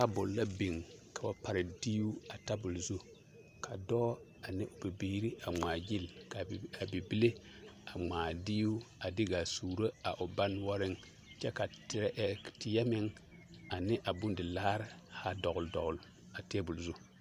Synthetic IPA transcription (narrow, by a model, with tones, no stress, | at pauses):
ka˨bʊ˨lla˦bi˨ŋka˨wa˦pa˨ɾɪ˨diː˦u˦a˨ta˦bʊ˨lzu˦ | ka˨dɔː˦ | a˨nɪ˦ʔʊ˨bi˨biː˦ɾi˦ʔa˨ŋ͡maː˨ɡi˦˨lka˨a˨bi˨bi˦le˦ | a˨ŋ͡maː˨di˦u˦a˨dɪ˦ɡa˨suː˨ɾo˦a˨ʔʊ˨ba˦nwɔ˦ɾɪ˦ŋ | t͡ʃɛ˦ka˨tɪ˨ɾʔtɪ˨ja˦mɪ˦ŋ | a˨nɪ˦ʔa˨bʊ˦ndɪ˨laː˦ɾɪ˦ha˦dɔ˨ɣʊ˨ldɔ˨ɣʊ˨l | a˨te˦bʊ˨lzu˦